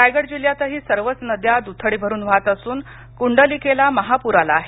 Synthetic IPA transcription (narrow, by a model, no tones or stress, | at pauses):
ajɡəɽd͡ʑiljat̪əɦiːsəɾʋət͡snəd̪jad̪ut̪ʰəɽiːbʱəɾuːnʋ̤at̪əsuːn | kuɳɖəlikʰelaməɦapuɾalaːɦe